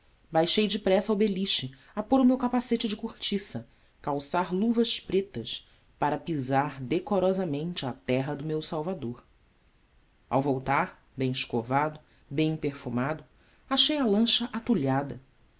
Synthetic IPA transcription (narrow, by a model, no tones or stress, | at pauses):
bajʃejd͡ʒɪpɾɛsawbeliʃt͡ʃɪ | apoɾʊmewkapaset͡ʃɪd͡ʒɪkuɾt͡ʃisɐ | kawsaɾluvɐʃpɾet̪ɐʃ | paɾɐpizaɾd̪ekoɾɔzɐmẽnt͡ʃɪat̪ɛɦɐd̪ʊmewsawvad̪oɾ | a̰wvowt̪aɾ | bẽj̃ɪʃkovad̪ʊ | bẽj̃peɾfumad̪ʊ | aʃejɐlɐ̃ʃɐʔat̪uʎad̪ɐ